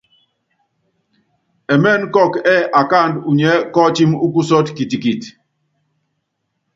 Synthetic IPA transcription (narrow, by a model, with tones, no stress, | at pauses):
ɛ˨mɛ˦˨nkɔ˦˨kɛ˦ʔa˨ka˦˨ndu˨ɲɛ˨˦kɔ˦t͡ʃi˦mu˦ku˦sɔ˦tki˨ti˨ki˨t